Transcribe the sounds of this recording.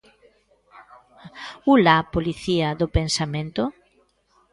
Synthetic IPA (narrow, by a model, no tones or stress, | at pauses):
ulapoliθiaðopensamẽnt̪ʊ